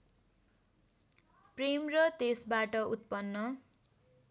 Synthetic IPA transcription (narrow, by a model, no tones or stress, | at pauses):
premrʌt̪esbaʈʌut̪̚pʌnːʌ